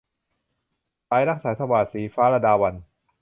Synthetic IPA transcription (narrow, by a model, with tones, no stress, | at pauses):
paː˧˥jɾa˦˥k̚saː˩˦˥t̪ʰa˧waː˨˩siː˩˦faː˦˥ɾa˧daː˧wa˧n